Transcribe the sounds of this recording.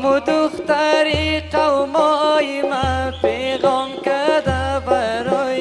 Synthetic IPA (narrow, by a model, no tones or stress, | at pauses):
mʊd̪ʊxt̪aɾiqawmɔjimapeɣɔmkad̪abaɾoj